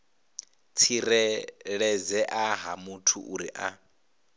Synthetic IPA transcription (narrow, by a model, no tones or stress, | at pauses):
t͡sʰiɾɛɺɛd͡zɛʔaɦamutʰṵʔuɾiʔa